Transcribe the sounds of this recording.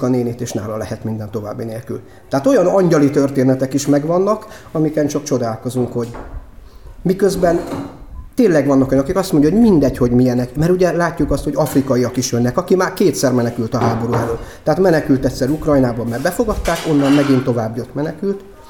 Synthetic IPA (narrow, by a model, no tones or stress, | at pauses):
kɒneːnit̪eːʃna̰ːlɒlɛhɛt̪mind̪ɛnt̪o̞va̰ːbːineːlky̰l | t̪ɛɦat̪o̞jɒnɒɲɟɒlit̪ø̞rt̪eːnɛt̪ɛkiʃmɛɡʋɒnːɒk | ɒmikɛnt͡ʃɒkt͡ʃo̞d̪aːlko̞zuŋkho̞ɟ | mikøzbɛnt̪eːnlɛɡʋɒnːɒkojnkikɒst̪mo̞ɲɟɑhoɟmind̪ɛcho̞ɟmijɛnɛkmɛɾuɟɛlaːcːukɒst̪ho̞ɟɒfrikɒiɒkiʃjønːɛkɒkimaːrkeːt̪sɛrmɛnɛkylt̪ɒɦaːbo̞ɾuɛløt̪ːɛɦat̪mɛnɛkylt̪ɛcʲsɛɾukrɒjnaːbɒmːɛrbɛfo̞ɡɒt̪ːaːko̞nːɒmmɛɡint̪o̞vaːbjot̪mɛnɛkylt̪